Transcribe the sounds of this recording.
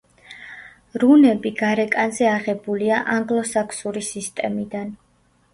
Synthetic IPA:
ɾunɛbiɡ̥aɾɛkʼanzɛaʁɛbuliaʔaŋɡlˠɔsakʰsuɾisist̪ʼɛmid̪an

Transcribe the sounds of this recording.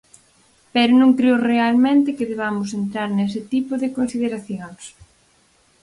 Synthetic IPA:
pɛɾʊnõŋkɾeʊrealmẽnt̪ɪkɪðeβamʊs̬ent̪ɾaɾnes̬ɪt̪ipʊðɪkonsiðeɾaθjoŋs

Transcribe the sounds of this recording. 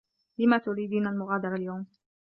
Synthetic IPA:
lɪmat̪ʊɾiːd̪iːnalmʊɣaːd̪ɑɾˤaljawm

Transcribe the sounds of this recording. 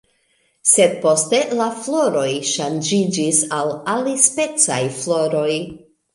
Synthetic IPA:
se̞d̚po̞ste̞laflo̞ɾo̞jʃand͡ʒid͡ʒisalalispe̞t͡sajflo̞ɾo̞j

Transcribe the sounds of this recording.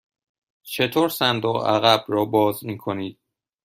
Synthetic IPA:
t͡ʃʰe̞t̪ʰoːɾsænd̪oɣæ̰ɣæbrɒːbɒːzmiːkʰo̞niːd̪̥̚

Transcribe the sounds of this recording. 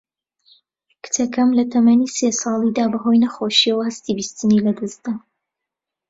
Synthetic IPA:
kʰɨ̥t̪ʰɐkʰɐmlɐt̪ʰɐmɐniːsesɑːlˠid̪aːbɐɦojnɐxoʃiɐwɐhɐst̪ibist̪ɨniːlɐd̪ɨzd̪a

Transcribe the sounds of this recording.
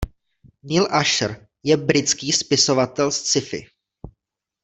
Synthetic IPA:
nɪlʔaʃɾ | jɛbɾɪt͡skiːspɪso̞vat̪ɛlst͡sɪfɪ̰

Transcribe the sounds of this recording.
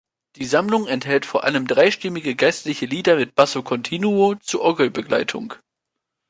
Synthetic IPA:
d̥iːzamlʊŋɛnthɛltfoːɐʔaləmdʁaɪʃtɪmɪɡəɡaɪstlɪçəliːdɐmɪt̚b̥asokʰɔntʰiːnuot͡suɐʔɔɡl̩bəɡla̰ɪtʰʊ̰ŋ

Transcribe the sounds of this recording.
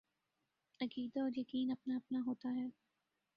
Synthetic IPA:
ɐkiːd̪aɔːɾjɐkiːnɐpnaɐpnaɦoːt̪aɦɛː

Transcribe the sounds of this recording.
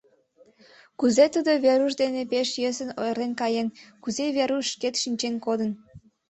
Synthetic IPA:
kuzet̪ud̪oβeɾuʃ̬d̪enepeʃjøsənojrlenkɑjenkuzeβeɾuʃʃket̪ʃinʲt͡ɕenkod̪ən

